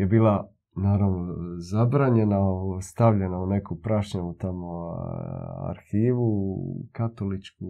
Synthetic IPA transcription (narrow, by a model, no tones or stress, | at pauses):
jebiːlˠa | naːɾaʋnozabɾaːɲe̞nast̪aʋʎenaune̞kupɾaʃɲaut̪amo | a̰ɾxiːʋukat̪olit͡ʃku